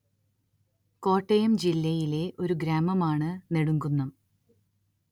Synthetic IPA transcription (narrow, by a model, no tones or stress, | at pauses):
ko̞ːʈːɐjɐmd͡ʑilːɐjile̞ʔo̞ɾuɡɾaːmɐmaːɳɨne̞ɽuŋɡunːɐm